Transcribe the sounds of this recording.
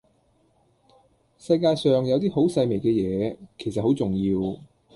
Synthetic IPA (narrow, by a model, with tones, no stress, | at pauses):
sɐ˧jkaː˧jsœː˨ŋjɐ˨˧wt̪iː˥ɦo˨˥wsɐ˧jme˨˩jkɛː˧jɛː˨˧kʰe˨˩jsɐ˨t̚ho˨˥wt͡sʊ˨˩ŋjiː˧w